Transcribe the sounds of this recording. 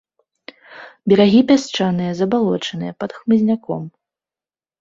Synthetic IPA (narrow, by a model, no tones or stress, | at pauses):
bʲɛɾaɣʲipʲast͡ʂanɨjɐzɐbalˠɔt͡ʂɐnɨjɛpɐd̪xmɨzʲnʲakɔ̰m